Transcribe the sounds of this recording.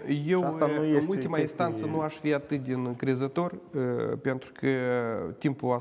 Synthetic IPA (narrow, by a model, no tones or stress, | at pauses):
jewulʲt̪ʲimɐinst̪ant̪sɨnuaʂvʲiat̪ːɨd̪ʲɪnkɾʲezɨt̪orpʲent̪ɾkʰʲɨt̪ʲimpua